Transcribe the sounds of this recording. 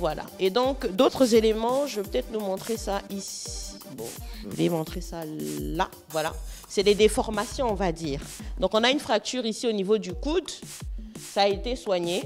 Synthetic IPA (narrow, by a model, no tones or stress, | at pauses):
vwala̰ed̪ɔ̃kd̪ot̪χəzelemɑ̃ʒəvepøt̪ɛt̪χnumɔ̃t̪χesaʔisi̥ | bɔ̰̃ʒəlḛmɔ̃t̪χesala̰ | vwala̰sɛled̪efɔʁmasjɔ̃ːvad̪iːʁd̪ɔ̃kɔ̃naynfχak̚t̪yʁisionivod̪ykud̪ | saːet̪eswaɲe